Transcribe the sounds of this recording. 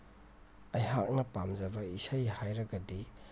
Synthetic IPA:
ɐjɦak̚nɐpamzɐbɐisɐjhajɾɐɡɐdi

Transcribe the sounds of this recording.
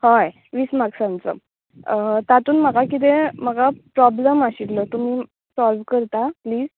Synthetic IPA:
hɔj | ʋismaksãnt͡sə̰ | t̪at̪uːnməɡakit̪̬eməɡapɾɔbləmaɕiʈlɔt̪um̤iː | sɔlʋkəɾt̪apliːz

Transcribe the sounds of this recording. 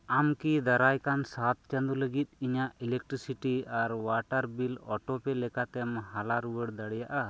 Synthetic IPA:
amkid̪aɾajkansat̪̚t͡ʃɛnd̪uləɡit̪̚ˀiɲaʔilɛk̚ʈɾisiʈiaɾwaʈaɾbilɔʈɔpɛlɛkat̪ɛmhalaɾuwəɽd̪aɽjaʔa

